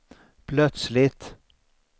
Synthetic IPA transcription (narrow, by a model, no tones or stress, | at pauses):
pʰlœt̪slɪt̪